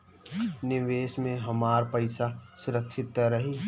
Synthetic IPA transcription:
nɪʋeːʃmẽɦɐmaːɾpəɪsasʊɾəkʃʰɪt̪̚ːɾɐɦi

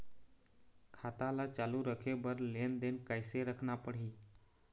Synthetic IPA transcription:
kʰaːt̪alat͡ʃaːluɾəkʰebəɾleːnd̪eːnkəɪseɾəkʰnapəɽiː

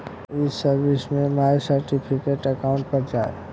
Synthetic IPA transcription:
ɪssɐɾʋɪsmẽmaːjsəɾʈɪpʰɪkeʈɐkaʊ̃ɳʈ̚pɐɾd͡ʒaːḛ

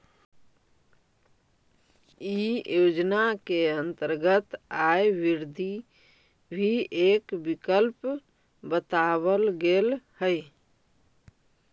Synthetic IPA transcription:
ijod͡ʒnakeənt̪əɾɡət̪ajʋiɾd̪ʱi | bʱiekbikəlp | bət̪aβəlɡelhəj

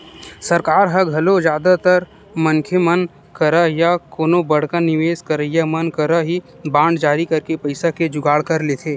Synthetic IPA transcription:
sɐɾkaːɾɦɐɡʱɐlod͡ʒjaːd̪at̪əɾ | mənkʰemən | kəɾəjakoːnobɐɽ̤kənɪʋeːskəɾəjamənkəɾəɦi | bãːɳɖd͡ʒaːɾikɐɾkepɐɪsaked͡ʒʊɡaːɽkɐɾleːt̪ʰeː

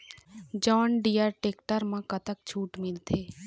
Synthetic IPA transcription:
d͡ʒɔːnɖijəɾʈeːkʈəɾmãkət̪ək̚t͡ʃʰuːʈmɪlt̪ʰeː

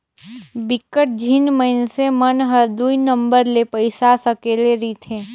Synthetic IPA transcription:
bɪkːəʈ̚d͡ʒʱinməɪnsemənɦəɾd̪uinə̃mbəɾlepəɪsasəkeːleɾit̪ʰẽː

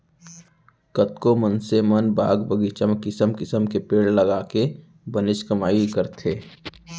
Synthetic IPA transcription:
kət̪komənsemənba̰ːɡbəɡit͡ʃəmkɪsəmkɪsəmkepeːɽləɡaːke | bənɪʃkəmaːikəɾt̪ʰeː

